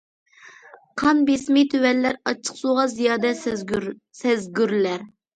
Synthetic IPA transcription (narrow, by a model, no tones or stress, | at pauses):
qʰɑnbesmɪt̪ʰøwɛlːæɾɑt͡ʃʰə̥χsuʁɑzijɑːd̪ɛ | sɛzɡʲyɾlæɾ